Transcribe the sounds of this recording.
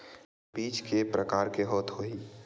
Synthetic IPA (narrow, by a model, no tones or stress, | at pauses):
biːt͡ʃkepɾəkaːɾkeɦɔːt̪ɦoi